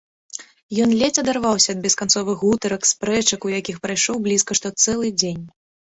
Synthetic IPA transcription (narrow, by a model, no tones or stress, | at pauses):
jɔnlʲɛt͡sʲɐd̪arvawsʲɐd̪̚bʲɛskant̪sɔvɨɣut̪ɐɾɐkspɾɛt͡ʂɐkujakʲixpɾajʂɔwblʲiskɐʂt̪ɔt̪sɛlˠɨd͡zʲenʲ